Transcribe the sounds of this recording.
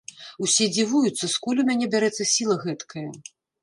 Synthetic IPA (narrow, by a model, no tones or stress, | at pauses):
usʲɛd͡zʲivujut̪sːɐskulʲumʲanʲɛbʲaɾɛt̪sːɐsʲilˠɐɣɛt̪kʰɐjɐ